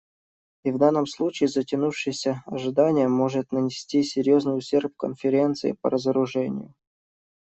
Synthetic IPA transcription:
ivd̪anːəmslˠut͡ɕɪːzətʲɪnufʂɨjsʲəɐʐɨd̪anʲɪjəmo̞ʐɨt̪nənʲɪsʲtʲisʲɪɾʲjo̞znɨjʊɕʲe̞rpkənfʲɪɾʲe̞nt̪sɨ̰ɪ̰pə̰ɾəzəɾʊʐɛnʲɪ̰jʊ

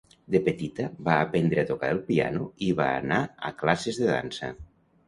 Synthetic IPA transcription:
d̪epet̪it̪aβaːpend̪ɾeat̪oka̰ɾelˠpia̰nuiβa̰ːnaa̰klasezðeða̰nsa̰

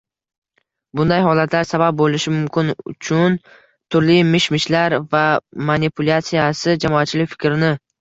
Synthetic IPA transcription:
bʊnd̪ajɦɒlat̪ʰlaɾsabap̚bolɪʃɪmʊmkʲʰɪnʊ̰t͡ʃʰʊn | t̪ʰʊɾlɪmɪʃmɪʃlaɾvamanipʰʊlʲat̪sijasɪd͡ʒamɒat̪̚t͡ʃʰɪlɪkʲfɪ̥kʲɾɪnɪ

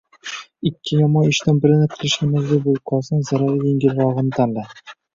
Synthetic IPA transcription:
ɪkʲʰːɪjɒmɒnɪʃt̪anbɪɾɪnɪqʰɨlˠɪʃɪmazɡʲabolˠqʰɒlˠsanzaɾaɾɪjeŋɡʲɪlɾɒʁɨnɪt̪ʰanla

